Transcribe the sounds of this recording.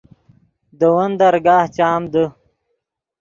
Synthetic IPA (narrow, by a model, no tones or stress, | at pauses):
d̪əwɐnd̪ɐɾɡaːht͡ɕaːmd̪ə